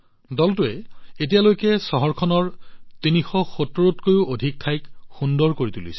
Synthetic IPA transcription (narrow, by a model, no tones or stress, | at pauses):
dɔltʊɛetijalojkɛsɔɦɔɹkʰɔnɔɹtinixɔxotoɹutkojʊodʱik̚tʰajkxundɔɹkoɹitulḭsɛ̥